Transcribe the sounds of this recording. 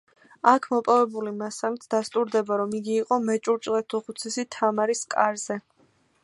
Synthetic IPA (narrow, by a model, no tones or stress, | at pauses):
akʰmɔpʼɔvɛbulimasamit̪ʰd̪̥ast̪ʼuɾd̪ɛbaɾɔmiɡiːqʼɔmɛt͡ʃʼuɾt͡ʃʼlɛt̪ʰuʁut̪sʰɛsit̪ʰamaɾiskʼaɾz̥ɛ